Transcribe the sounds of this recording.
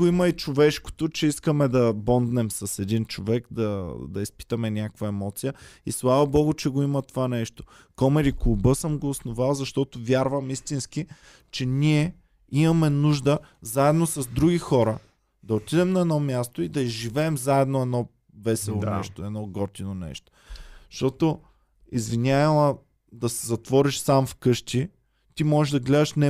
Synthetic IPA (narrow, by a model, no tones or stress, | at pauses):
oimɐit͡ʃovɛʃko̥t̪ot͡ʃɛiskəmɛd̪ɐbɔnd̪nɛmsɐsɛd̪int͡ʃovɛkd̪ɐd̪ɐispi̥t̪ɐmɛnʲjakvɐɛmɔt̪sijəislˠavɐbɔɡʊt͡ʃɛɡoimɐt̪ovanɛʃt̪o | kɔmɛɾiklˠubɤsəmɡoːsnovalˠzɐʃt̪ɔt̪ovʲjaɾvɐmist̪inski | t͡ʃɛnʲiɛ | imɐmɛnuʒd̪əzaɛd̪nosɐzd̪ɾuɡʲixɔɾə | d̪ɐot̪id̪ɛmnɐɛd̪nɔmʲjast̪oid̪ɐizʒivɛːmzaɛd̪noɛd̪nɔ | vɛsɛlˠonɛ̰ʃt̪oɛd̪nɔɡɔɾt̪inonɛ̰ʃt̪o̥ | ʃt̪ɔt̪o | izvinʲaɛlˠɐ | d̪ɐsɛzɐt̪vɔɾiʃsamfkɤʃt̪i | t̪imɔʒɛʒd̪ɐɡlɛd̪ɐʃnɛ